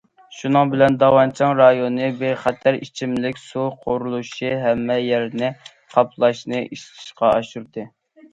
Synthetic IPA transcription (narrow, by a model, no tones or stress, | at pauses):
ʃunɨŋbɪlɛnd̪ɑwɑnt͡ʃʰɑŋɾɑjonɨbeχæt̪ʰæɾit͡ʃʰimlɪkʲsuqʰoɾulˠuʃiɦɛmːɛjɛɾnɪ | qʰɑpʰlˠɑʃnɨʔiʃt̪ʰɨ̥ʃqɑɑʃuɾd̪ɨ